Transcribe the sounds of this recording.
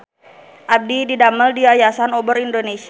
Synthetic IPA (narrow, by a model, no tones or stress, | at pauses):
ʔab̚dididaməldiajasanobəɾindonesi